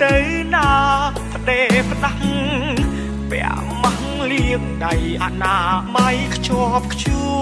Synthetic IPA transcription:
t̪ɨwnaː | pə̆ɗeːpɗaŋ | pɛ̰̆ə | maŋliəŋɗajʔanaːmajkʰt͡ɕoəp̚kʰt͡ɕu

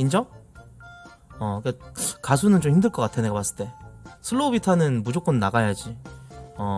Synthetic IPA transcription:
ind͡ʑo | ʌik͈akasʰunɯnt͡ɕomhimdɯɭk͈ʌk͈atʰe̞neɡapas͈ɯ̥ɭt͈e̞sʰɯɭːobitʰanɯnmud͡ʑok͈onnaɡajad͡ʑiʌ

